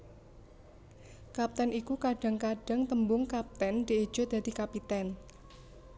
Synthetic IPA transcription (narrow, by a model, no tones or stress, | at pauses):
kap̚t̪ɛnikukaɖ̥a̤ŋkaɖ̥a̤ŋt̪əmbʊŋkap̚t̪ɛnd̪̥ii̥ʒ̥ʊ̤d̪ad̪̥i̤kapit̪ɛn